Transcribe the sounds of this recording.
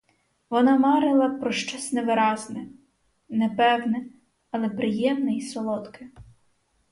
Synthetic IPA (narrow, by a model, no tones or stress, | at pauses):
ʋɔnɑmɑɾɪlˠɐpɾɔʃt͡ʃɔsʲnɛʋɪɾɑznɛ | nɛpɛwnɛ | ɐlˠɛpɾɪjɛmnɛisɔlˠɔt̪kɪ